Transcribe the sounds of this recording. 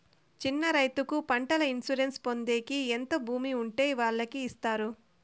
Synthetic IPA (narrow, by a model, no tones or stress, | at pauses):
t͡ʃinːɐɾɐjt̪ukupɐɳʈɐlɐinsuɾe̞nspo̞nd̪e̞ːkient̪obʱuːmiuɳʈeːʋaːɭːɐkiːst̪aːɾu